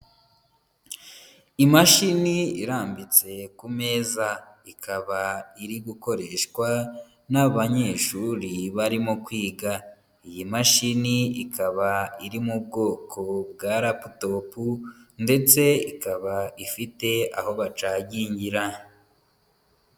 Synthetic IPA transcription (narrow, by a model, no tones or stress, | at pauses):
imaʃiniiɾaːmbit͡se̞kume̞ːza | ikʰaβaiɾiɡuko̞ɾe̞ʃkwa | naβaɲe̞ːʃuɾiβaɾimokwiːɡa | ijimaʃiniikʰaβaiɾimub̚ɡo̞ːkʰo̞bɡaːɾaputo̞punde̞t͡se̞ikaβaifite̞a̰ho̞βat͡ʃaɟiːɲɟiɾa